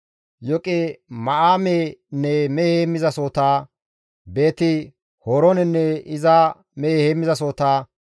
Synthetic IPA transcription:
jɔkʼemɐʔaːmenːɛmɛheːmːɪzɐsoːt̪aː | be̞ːt̪ɪ | hɔːɾɔnɛnːɛɪza | mɛheːmːɪzɐs̬oːt̪aː

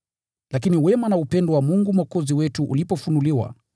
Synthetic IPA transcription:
lakiniwɛmanaupɛndɔwamuŋɡumwakɔziwɛtuʔṵlipɔfunuliwa̰

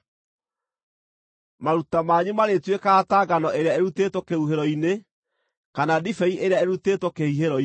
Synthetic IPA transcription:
maɾutamaɲumaɾetwekaːtaːɡanɔʔeɾeaeɾutetwɔkeuɦeɾɔine | kanadifɛiʔeɾeaeɾutetwɔkehiɦeɾɔi

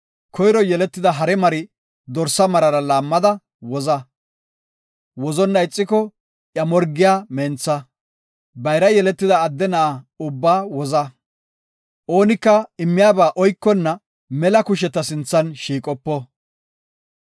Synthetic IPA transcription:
kɔjɾɔjɛlɛt̪ːɪd̪ɐɦɐɾɛmɐɾɪ | d̪ɔɾsɐmɐɾɐɾɐlaːmːɐd̪ɐ | wɔzɐ | wɔzɔnːɐɪt͡sʼːɪkɔ | ʔjɐmɔɾɡɪjaːmɛnt͡sːɐ | bɐjɾɐjɛlɛt̪ːɪd̪ɐːd̪ːɛnɐʔaʊbːaːwɔzɐ | ʔo̞ːnɪkːɐɪmːɪjaːbaːʔɔjkːɔnːɐ | mɛlɐkʊʃ̬ɛt̪ːɐsɪnt͡sːɐnʃiːkʼɔpːɔ

